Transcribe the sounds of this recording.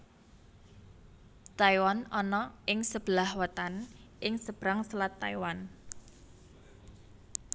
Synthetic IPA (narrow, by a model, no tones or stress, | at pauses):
t̪aiwanɔnɔɪŋsəb̥əlahwət̪anʔɪŋsəb̥ɾaŋsəlat̪ːaiwan